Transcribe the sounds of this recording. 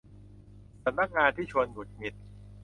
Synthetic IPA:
sa˧˥mna˦˥k̚ŋaː˧nt̪ʰiː˥˩t͡ɕʰu˧ənɡu˨˩t̪̚mi˨˩t̪̚

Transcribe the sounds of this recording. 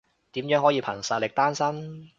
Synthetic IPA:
t̪iː˨˥mjœ˨˥ŋɦɔ˨˥jiː˨˧pʰɐ˨˩ŋsɐ˨t̚lɪ˨k̚t̪aː˥nsɐ˥n

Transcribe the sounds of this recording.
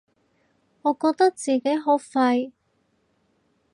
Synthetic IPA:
ŋɔː˨˧kɔː˧k̚t̪ɐ˥k̚t͡siː˨ke˨˥jɦo˨˥wfɐ˧j

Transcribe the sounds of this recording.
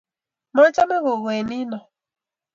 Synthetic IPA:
mɔ˦t͡ʃa˦mɪ˦ɣʊ˨ɣe˨ni˦nɔ˨

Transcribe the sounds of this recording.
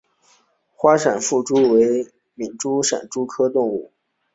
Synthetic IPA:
xwa˥ʂa˨˩nfu˥˩ʈ͡ʂu˥we˧˥ɪ | mi˨˩nʈ͡ʂu˥ʂa̰˨˩nʈ͡ʂu˥kʰɤ˥t̪ʊ˥˧ŋu˥˩

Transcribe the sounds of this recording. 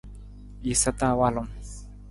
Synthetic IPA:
i˨sa˦t̪a˦˨wa˦lo˦˨m

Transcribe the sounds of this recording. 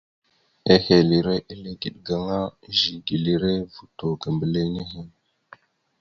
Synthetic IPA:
e˦he˨li˨ɾe˦ʔi˦le˦ɡi˨ɗɡa˦ŋa˦ʒi˨ɡi˨li˦ɾe˦vu˨to˨ɡa˨mbə˨le˦ne˦ɦe˦˨n

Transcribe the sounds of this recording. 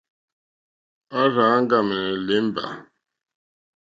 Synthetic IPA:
a˦ɾã˨˦ŋ˦ɡa˦˨mə˨le˨˦m˦ba̰˨

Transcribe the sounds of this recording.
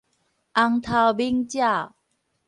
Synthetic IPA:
ʔa˧ŋt̪ʰa˧˩wbi˦˥ŋt͡ɕja˥˩

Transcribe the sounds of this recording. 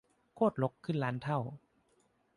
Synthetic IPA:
kʰoː˥˩t̪̚lo˧˦˥kʰːɯ˥˩nlaː˨˦˥nt̪ʰa˥˩w

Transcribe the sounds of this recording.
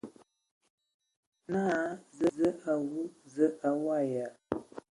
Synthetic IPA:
naː˦˨˦zə˦zə˦a˨ɣu˦zə˦a˨wa˦˨ja˨ʔ

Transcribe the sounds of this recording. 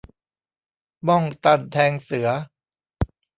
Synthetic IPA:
bɔ˥˩ŋt̪a˧˥˩nt̪ʰɛː˧ŋsɯ˩˦ɐ

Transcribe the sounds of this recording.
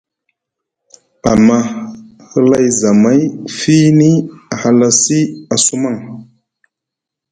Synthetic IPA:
a˨ma˦ | hə˦la˦jza˨ma˦jfi˦ni˦a˨ha˨la˦si˦a˨su˦ma˦˨ŋ

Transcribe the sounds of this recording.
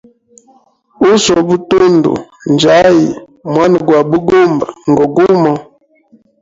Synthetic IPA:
u˦sɔ˨bu˦to˦ndṵ˨nd͡ʒa˨˦ji˨ | mwa˦n˨ɡwa˨bu˦ɡo˦mba˨ŋ˨ɡo˨ɡu˦mɔ˨

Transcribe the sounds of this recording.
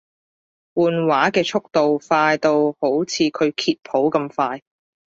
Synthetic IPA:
wuː˨nwaː˨˥kɛː˧t͡ʃʰʊ˥k̚t̪o˨wfaː˧jt̪o˧who˨˥wt͡sʰiː˨˧kʰɵ˨˧ɥkʰiː˧t̚pʰo˨˥wkɐ˧mfaː˧j

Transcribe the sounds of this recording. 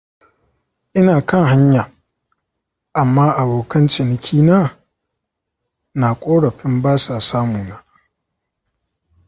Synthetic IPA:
ʔɪ˦naː˨kɐ˦˨ŋɦa˦ɲja˨ | ʔa˨mːaː˦ʔa˨boː˨kɐ˦nt͡ʃɪ˨nɪ˨kʲʰiː˦naː˦˨ | naː˨kʷʼoː˦ɽɐ˨ɸɪ˦mbaː˦saː˨saː˦muː˨na˦ʔ

